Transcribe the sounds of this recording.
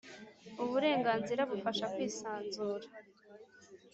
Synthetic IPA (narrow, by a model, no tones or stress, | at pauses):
uβuɾe̞ːŋɡaːnziɾaβufaʃakwiːsaːnzuːɾa